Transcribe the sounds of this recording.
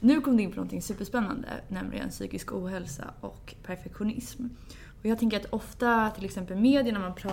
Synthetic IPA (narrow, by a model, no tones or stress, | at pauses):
nʉ̟ːkʰɔmːd̪ɛɪnpʰɔnɔnt̪ɪŋːsʉ̟ːpːəʂpɛnːa̰nd̪ə̰nɛmlʔɪɡə̰nsy̰ːkɪskuːɦɛlsa̰ʔɔ̰kː | pʰæɾfɛkɧʊnɪsm | ɔjɑːɡt̪ɛŋkəɾat̪ɔft̪at̪ʰɪlɛksɛmpəlmeːd̪jəɳæɾmanpʰɾɑː